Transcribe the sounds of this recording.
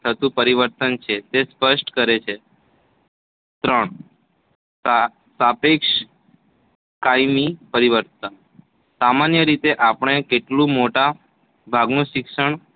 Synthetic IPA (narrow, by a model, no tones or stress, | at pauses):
t̪ʰət̪ũpəɾiʋəɾt̪ənt͡ʃʰet̪espəʃʈkəɾet͡ʃʰe | t̪ɾəɳ | sapekʃ | kajmipəɾiʋəɾt̪ən | samanjəɾit̪eʔapəɳ̃ekeʈlũmoʈa | bʱaɡnũʃikʃəɳ